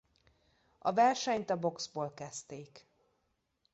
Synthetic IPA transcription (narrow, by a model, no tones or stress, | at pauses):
ɒvɛrʃɛɲt̪ɒbo̞ksboːlkɛst̪eːk